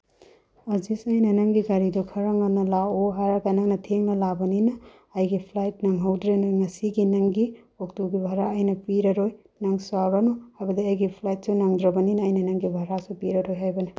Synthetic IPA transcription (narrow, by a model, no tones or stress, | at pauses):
ɐzisɐjnɐnɐŋɡiɡaɾidukʰɐɾɐŋɐnɐlaoɦaɾaɡanɐŋnɐtʰeŋnɐlabɐninɐː | jɡipʰlajt̚nɐŋɦawdɾenoŋɐsiɡinɐŋɡi | ok̚tuɡibʱaɾaɐjnɐpiɾɐɾoj | nɐŋsaɾɐnuhabɐdiɐjɡipʰlajt̚sunɐŋdɾɐbɐninɐːjnɐnɐŋɡibʱaɾasupiɾɐɾojɦajbɐnɐ